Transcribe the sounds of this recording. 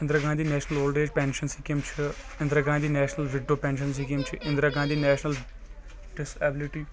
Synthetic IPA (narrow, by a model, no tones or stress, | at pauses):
ɪnd̪ɾaːɡãːd̪iːnɛːʃnəloːlɖeːd͡ʒpɛ̃ːnʃənsikimt͡ʃʰi | ɪ̃nd̪ɾaːɡãːd̪iːnɛːʃnəlʋɪɖːoːpɛ̃ːnʃəns̬ikimt͡ʃʰiʔɪ̃nd̪ɾaːɡãːd̪iːnɛːʃnəl | ɖɪsɛːbɪlɪʈiː